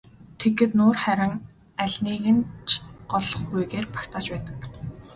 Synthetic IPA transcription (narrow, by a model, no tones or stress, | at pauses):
t̪ʰeɡɡɘ̆t̪nʊːrχæɾʲɪ̆ŋ | æɮʲniːɣɘ̆nt͡ɕʰɢ̥ɔɮɞ̆χpujɣeːrpḁkt̪ʰaːt͡ɕpæːt̪ə̥̆k̚